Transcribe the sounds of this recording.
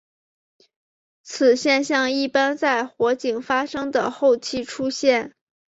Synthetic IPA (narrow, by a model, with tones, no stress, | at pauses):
t͡s̩ʰ˨˩ɕjɛ˥˧nɕjɑ˥˧ŋi˥˩pa˥nt͡sa˥˩ɪxwɔ˧˥t͡ɕi˨˩ŋfa˥ʂɤ˥ŋd̪ə˨˩xo˥˧ʊt͡ɕʰi˥˩ʈ͡ʂʰu˥ɕjɛ˥˩n